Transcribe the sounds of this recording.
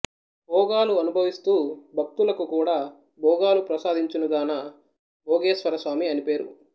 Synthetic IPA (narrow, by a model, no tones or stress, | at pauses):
bʱɔːɡaːluɐnubʱɐʋist̪uːbʱɐk̚t̪ulɐkukuːɽaː | bʱɔːɡaːlupɾɐsaːd̪ʱiɲt͡ʃunuɡaːnɐ | bʱɔːɡeːsʋɐɾɐsʋaːmiɐnipe̞ːɾṵ